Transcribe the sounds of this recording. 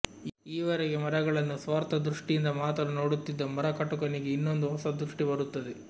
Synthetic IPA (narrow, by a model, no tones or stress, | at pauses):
iːʋɐɾɛɡemɐɾɐɡɐɭɐnːusʋaːɾt̪ɐd̪ɾuʂʈijind̪ɐmaːt̪ɐluno̞ːɽut̪ːid̪ːɐmɐɾɐkɐʈukɐniɡe̞inːo̞nd̪uɦɔsɐd̪ɾuʂʈibɐɾut̪ːɐd̪e